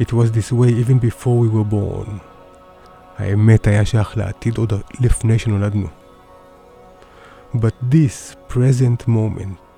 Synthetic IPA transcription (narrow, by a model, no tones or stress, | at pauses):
itwɔzd̪iswejivɛ̃nbifɔɹwiwə˞bo̰ːn | a̰jɛmɛtajaʃaxla̰a̰t̪id̪od̪əlifneʃɔ̃nɔlad̪nṵ | bat̚d̪ispʰɹɛzɛ̃ntmõmɛ̰̃nt